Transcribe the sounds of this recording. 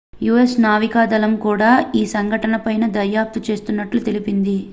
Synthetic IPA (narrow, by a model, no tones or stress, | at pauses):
juːesnaːʋikaːd̪ɐlɐmkuːɽaːiːsɐŋɡʱɐʈɐnɐpɐjnɐd̪ɐjaːp̚t̪ut͡ʃe̞ːst̪unːɐʈlut̪e̞lipind̪i